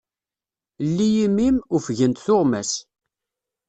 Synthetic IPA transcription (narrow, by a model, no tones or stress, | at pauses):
lːijimːimufʝənt̪θʊʁmæs